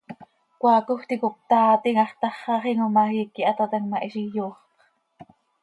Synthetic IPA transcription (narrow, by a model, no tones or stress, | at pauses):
kʷɑːkuxt̪ikup̚t̪ɑːt̪iŋɑχt̪ɑχːɑχiŋomɑhiːkiʔɑt̪ɑt̪ɑŋmɑʔiʃijuːχq